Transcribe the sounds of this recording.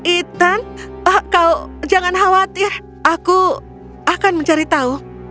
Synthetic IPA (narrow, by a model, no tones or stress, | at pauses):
it̪anhkaud͡ʒaŋanɦawat̪ɪr | aku | akanməɲt͡ʃaɾit̪auh